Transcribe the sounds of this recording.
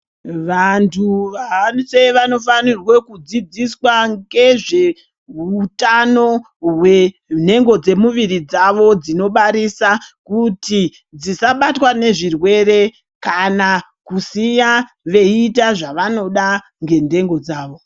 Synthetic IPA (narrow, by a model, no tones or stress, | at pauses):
ʋantʰuʋanseʋano̞fanirwe̞kud͡zid͡ziswaŋɡe̞ʐe̞ | utano̞ | we̞ | n̤e̞ŋɡo̞d͡ze̞muʋirid͡zaʋo̞d͡zino̞ɓaɾisakuti | d͡zisaɓatwane̞ʐirwe̞re̞ | kana | kusija | ʋe̞itaʐaʋano̞ɗa | ŋɡe̞nde̞ŋɡo̞d͡zaːʋo